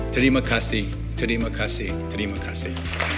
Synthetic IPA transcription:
tʰəɾimɐkʰasi | tʰəɾimɐkʰasi | tʰəɾimakʰasi

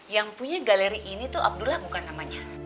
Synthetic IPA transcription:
jaŋpuɲaɡaleɾiʔinit̪uʔa̰b̚dulahbukanːamaɲa

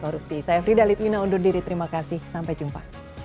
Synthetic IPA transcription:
kɔɾup̚sisajafɾidalit̪inaundurdiɾit̪əɾimakasɪhsampajd͡ʒumpa̰

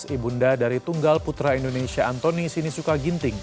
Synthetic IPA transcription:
sibundadaɾit̪uŋɡalput̪ɾaindonesiaant̪onisinisukaɡint̪ɪŋ

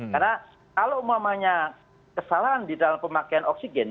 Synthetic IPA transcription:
karna | kalomamaɲa | kəsalaɦandidalampəmakaanɔksiɡɛn

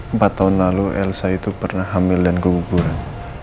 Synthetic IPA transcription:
mpat̪ːaʊnlaluʔɛ̰lsait̪upərnaɦamɪldankubuɡuɾan

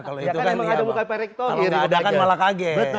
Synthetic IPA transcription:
kaloit̪ukandamukaipaɾɛk̚t̪ɔalɡaːdakanmalakaɡɛ

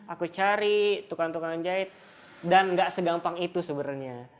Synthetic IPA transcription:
akut͡ʃaɾit̪ukant̪ukannd͡ʒaɪt̪̚ | danŋɡaʔsəɡampaŋit̪usəbəɾɲa

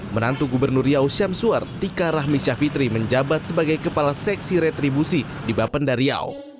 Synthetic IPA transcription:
mənant̪uɡubərnuriawsamsuart̪ikaɾaɦmisafit̪ɾiməɲd͡ʒabat̪̚səbaɡajkəpalasɛksiɾet̪ɾibusi | dibapəndaɾia̰w̰

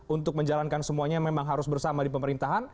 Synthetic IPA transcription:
unt̪ʊk̚məɲd͡ʒalankansəmuaɲamemaŋɦaɾʊsbərsamadipəməɾint̪aɦan

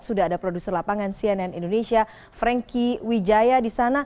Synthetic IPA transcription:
sudaɦːdapɾodusərlapaŋansianɛnindonesia | fɾɛŋkiwid͡ʒajadisana

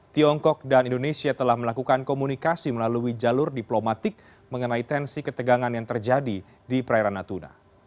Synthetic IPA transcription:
t̪iɔŋkɔk̚danindonesiat̪əlahməlakukankomunikasiməlaluid͡ʒalʊrdiplomat̪ɪk̚ | məŋənait̪ɛnsikət̪əɡaŋanjaŋt̪ərd͡ʒadi | dipɾaɛɾanat̪una̰

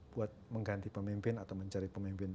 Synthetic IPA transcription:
b̥uat̪̚məŋɡant̪ipəmimpɪnat̪awməɲt͡ʃaɾipəmimpɪn

